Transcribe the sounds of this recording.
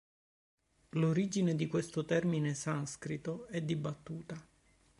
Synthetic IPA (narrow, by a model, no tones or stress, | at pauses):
loɾid͡ʒined̪ikwest̪ot̪ɛrminesanskɾit̪oɛd̪ːibːat̪ːuːt̪a